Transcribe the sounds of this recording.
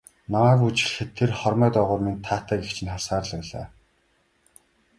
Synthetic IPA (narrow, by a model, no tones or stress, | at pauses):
namæːkut͡ɕɪ̆ɮ̆xɘ̆t̪ʰːerχɔrmœːt̪ɔːʁʊːrment̪ʰaːt̪æːɡext͡ɕʰɪ̆nχasaːrɮ̆æɮa̰ː